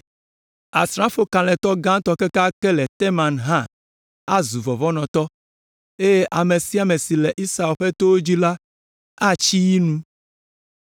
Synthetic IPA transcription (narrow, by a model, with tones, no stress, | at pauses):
a̰˨sɾã˦fo˦kã˨lɛ̃˨t̪ɔ˦ɡã˦t̪ɔ˦ke˦ka˦kɛ˦lɛ˨t̪e˦mã˨nɦã˦˨ | a˦zu˨vɔ˨vɔ˦nɔ̃˨t̪ɔ˦ | e˦je˦ʔa˨me˨si˦a˨me˨si˨lɛ˨ʔi˦sa˨˦ɛ˨lɸɛ˦t̪o˦wo˦d͡ʑi˦la˦ | a˦t͡ʃi˦ji˦nũ˦